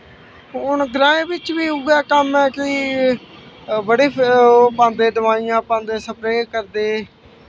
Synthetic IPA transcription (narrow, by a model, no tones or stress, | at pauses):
ʊɳɡɾãːẽːbɪt͡ʃʋiːʊɡɛːkəmɛːkɪ | bəɽeːpãːnd̪eːd̪əʋaːijãːpãːnd̪eːsəpɾeːkəɾd̪eː